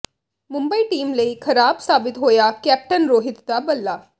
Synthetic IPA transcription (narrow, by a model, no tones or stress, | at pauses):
mʊ̃mbəiːʈiːmləiːkʰəɾaːbsaːbɪt̪ɦoːjaːkɛːp̚ʈənɾoːɦɪt̪d̪aːbəlːaː